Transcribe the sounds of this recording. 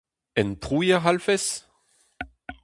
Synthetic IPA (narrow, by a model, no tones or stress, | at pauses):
ɛnpʁujɛʁalfɛs